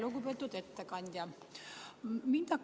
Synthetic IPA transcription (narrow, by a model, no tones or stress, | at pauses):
lokupet̪ːut̪et̪ːækɑnʲd̪ʲjɑ | mint̪ɑk